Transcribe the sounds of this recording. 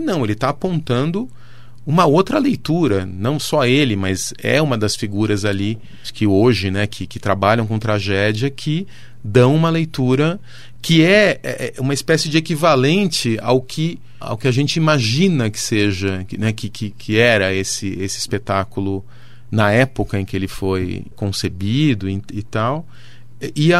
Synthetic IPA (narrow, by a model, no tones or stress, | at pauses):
nɐ̃w̃elɪt̪aːpõnt̪ɐ̃nd̪ʊ | ũmɐowt̪ɾɐlejt̪uɾɐnɐ̃w̃sɔelɪmɐzɛ̰ũmɐd̪ɐsfiɡuɾɐzali | kɪoʒɪnɛkʰɪkɪt̪ɾabaʎɐ̃w̃kõt̪ɾaʒɛd͡ʒiɐkʰɪ | d̪ɐ̃w̃ũmɐlejt̪uɾɐ | kɪɛɛũmɐispɛsɪd͡ʒɪekivalẽnt͡ʃɪa̰wkʰɪ | a̰wkɪaʒẽnt͡ʃɪimaʒĩnɐkɪ̥seʒɐkɪnɛkɪkʰɪkʰɪɛɾɐesɪesɪispet̪akulʊ | nɐɛpokɐẽkɪelɪfojkõsebid̪ʊiɪt̪aw | ɪ